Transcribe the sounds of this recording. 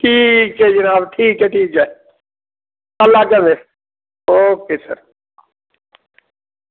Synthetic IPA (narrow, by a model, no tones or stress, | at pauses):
ʈʰiːkɛːd͡ʒənaːbʈʰiːkɦɛːʈʰiːkɛː | əlːaːkəmeː | oːkeːsə̰ɾ